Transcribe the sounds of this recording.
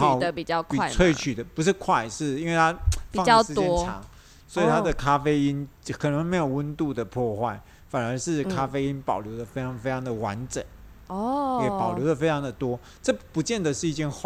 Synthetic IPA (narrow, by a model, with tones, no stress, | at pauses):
ɑ˨də˧pi˨˩t͡ɕjɑ˥˧ʊkʰi˨˥˨t͡sʰwe˥˩ɪt͡ɕʰy˨˩d̪ə˦pu˧˥ʂ̬ɻ̩˥˧kʰwa˥˧ɪʂɻ̩˥˩i˥nwe˥˩ɪa˥fi˨ɑ˥˨ŋɑ˥˧ʂɻ̩˥˧t̪jɛ˥n˥ʈ͡ʂʰɑ̰˧˥˦ŋ | swɔ˧˥i˨˩t̪ʰa˥d̪ə˨kʰa˥fe˥ɪi˦˥nkʰnɤ˧˦˥ŋme˧˥ɪjo˨˩ʊwə˥nt̪u˥˩d̪ə˩pʰwɔ˥˧xwa˥˩ɪ | fa˨˩nə˞˧˥ʂɻ̩˥˩kʰa˥fe˥ɪi˦˥npɑ˨˩ʊljo˧˥ʊd̪ə˨fe˥ɪʈ͡ʂʰɑ˧˥ŋfe˥ɪʈ͡ʂʰɑ˧˥ŋd̪ə˨wa˧˦nʈ͡ʂə̰˨˩˦n | ɔjɛ˨˩pɑ˨˩ʊjo˧˥ʊd̪ə˨fe˥ɪʈ͡ʂʰɑ˧˥ŋd̪ə˨t̪wɔ˥ | ʈ͡ʂɤ˥˩pu˧˥t͡ɕjɛ˥˩nd̪ə˩ʂɻ̩˥˧i˥˧t͡ɕjɛ˥˧nx